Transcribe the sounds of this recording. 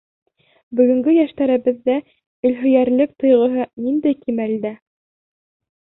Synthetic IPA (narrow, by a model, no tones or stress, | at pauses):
bɵ̆ɡɵ̆ŋɡɵjæʃt̪æɾɘ̆bɘ̆ðːæ | ɵ̆lɦɵ̆jæɾlɘk̚t̪ɤ̆jʁɤ̆ɦɤnind̪æjkimæld̪æ